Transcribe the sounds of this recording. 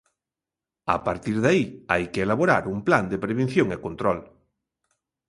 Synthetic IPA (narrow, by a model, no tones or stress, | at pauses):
a̰paɾt̪iɾðaia̰jkeelaβoɾa̰ɾumpland̪epɾeβ̞ẽn̟θjõŋekont̪ɾɔl